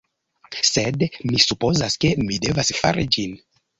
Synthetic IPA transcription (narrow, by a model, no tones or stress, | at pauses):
se̞dmisupo̞zaske̞mide̞vasfa̰ɾid͡ʒin